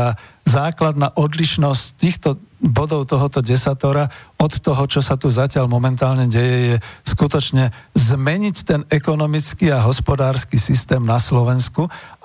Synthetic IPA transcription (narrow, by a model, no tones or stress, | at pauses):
azaːklad̪naːʔɔd̪liʃnɔsct̪iːxt̪ɔbɔd̪ɔʊt̪ɔɦɔt̪ɔɟɛsat̪ɔɾaɔt̪ːɔɦɔt͡ʃɔsat̪uzacɪaʎmɔmɛnt̪aːlɲɛɟɛjɛjɛskut̪ɔt͡ʃɲɛzmɛɲict̪ɛnɛkɔnɔmit͡skiaɦɔspɔd̪aːɾskisist̪ɛːmnaslɔʋɛnsku